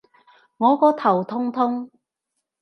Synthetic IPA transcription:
ŋɔː˨˧kɔː˨˥t̪ʰɐ˨˩wt̪ʰʊ˥ŋt̪ʰʊ˥ŋ

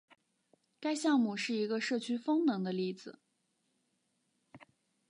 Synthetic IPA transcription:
ka˥ɪɕjɑ˥˧ŋmu˥˧˩ʂɻ̩˥˩i˧˥ɡə˧ʂɤ˥˩t͡ɕʰy˥fɤ˥ŋnɤ˧˥ŋd̪ə˧li˥˩d͡zɹ̩˨˩

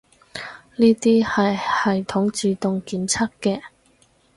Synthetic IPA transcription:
niː˥t̪iː˥hɐ˨jhɐ˨jt̪ʰʊ˨˥ŋt͡siː˨˩t̪ʊ˨ŋkiː˨˥mt͡sʰɐ˥kːɛː˧

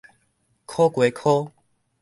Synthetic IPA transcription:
kʰo˦kwe˨˦kʰo˦

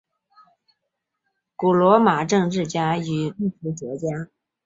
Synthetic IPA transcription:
ku˨˩lwɔ˧˥ma˨˩ʈ͡ʂɤ˥˧ŋʈ͡ʂɻ̩˥˩t͡ɕja˥y˨˩li˥˩fu˧˥ʈ͡ʂwɔ˧˥t͡ɕja˥

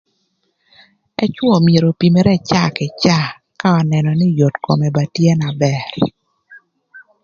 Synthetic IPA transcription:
ɛ˦t͡ʃwɔ˨mje˨ɾo˨pi˨me˦ɾɛ˦t͡ʃa˦˨kɪ˨t͡ʃa˦ | ka˦ɔ˨nɛ˨nɔ˨nɪ˦jo˨tko̰˨mɛ˨ba˨tje˦na˨bɛ˦˨r

